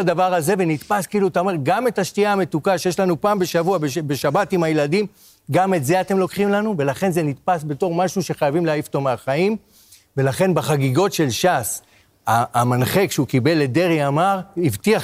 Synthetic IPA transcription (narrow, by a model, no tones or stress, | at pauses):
d̪avaʁaze̞venit̪paskiiluatao̞me̞ʁɡame̞taʃtiaːme̞tukaʃejeʃlanupaːmbe̞ʃavuabebe̞ʃabatimhajeladim | ɡame̞tze̞atemlo̞kχimlanuve̞laχe̞nze̞nitpasbe̞to̞ʁmaʃuʃe̞χajavimleajifto̞meaχaim | ve̞laχe̞nbaχaɡiɡo̞tʃe̞lʃas | aːmanχe̞kʃeukibe̞lːed̪e̞ʁiamaʁivtia